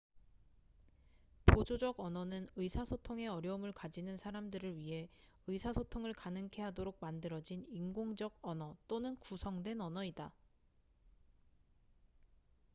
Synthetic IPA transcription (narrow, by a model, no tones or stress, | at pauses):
pod͡ʑod͡ʑʌɡʌnʌnɯnɯisʰasʰotʰoŋe̞ʌɾjʌumɯɭkad͡ʑinɯnsʰaɾamdɯɾɯɭɥiɦe̞ | ɯisʰasʰotʰoŋɯɭkanɯŋkʰe̞ɦadoɾok̚mandɯɾʌd͡ʑiniŋɡoŋd͡ʑʌɡʌnʌt͈onɯnkusʰʌŋdwe̞nʌnʌida